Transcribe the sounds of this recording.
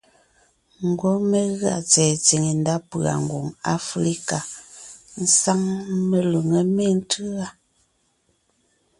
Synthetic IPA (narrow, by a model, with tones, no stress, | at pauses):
ŋ̩˨ɡwo˦me˦ɣa̰˦˨t͡sɛː˨t͡si˨ŋe˨n˦da˦pɰa̰˨ŋ̩˨ɡwo˨ŋa̰˦fɾi˦ka˨ | n̩˦sa˦ŋme˨lu˨ŋə˦me˦˨n̩˦tʰɯ˦a˦